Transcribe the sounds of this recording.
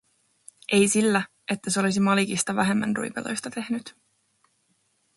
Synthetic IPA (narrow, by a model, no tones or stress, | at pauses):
ʔe̞jsilːæ | e̞t̪ːæseo̞lis̬imɑlikist̪ɑʋæɦe̞mːæ̰nrṵjpḛlo̰jst̪ɑt̪e̞hnyt̪